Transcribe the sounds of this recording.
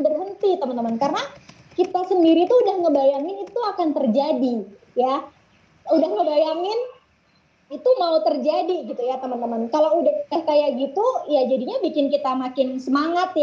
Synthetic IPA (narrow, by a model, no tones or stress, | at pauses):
bərɦənt̪it̪əmənt̪əmənkaɾəna | kit̪asəndiɾit̪uːdahŋəbajaŋɪnit̪uakant̪ərd͡ʒadi | ja | udahŋəbajaŋɪn | it̪umaut̪ərd͡ʒadiɡit̪ujat̪əmənt̪əmənkalawudahdahkajaɡit̪ujad͡ʒadiɲabikɪnkit̪amakɪnsəmaŋat̪ja